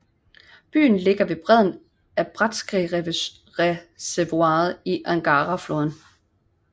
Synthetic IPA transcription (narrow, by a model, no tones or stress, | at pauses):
b̥y̰ːn̩le̝ɡ̥ɐʋe̝b̥ʁɛð̞̰ˠn̩ | æb̥ʁad̥sɡ̥ʁi | ʁseʋuɑ̈ːð̩ˠiʔæŋɡ̥ɑːʁɑfloːðˠn̩